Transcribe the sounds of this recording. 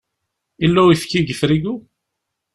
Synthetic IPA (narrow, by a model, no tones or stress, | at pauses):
ilːæwifkːiɡəθɾiɡu